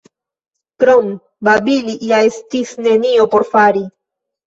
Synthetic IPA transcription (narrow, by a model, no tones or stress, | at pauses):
kɾom | babiliʔjaestisne̞niopo̞ɾfaɾi